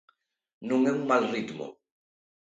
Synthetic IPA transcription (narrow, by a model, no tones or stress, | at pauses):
nuŋɛmmalridmɔ̰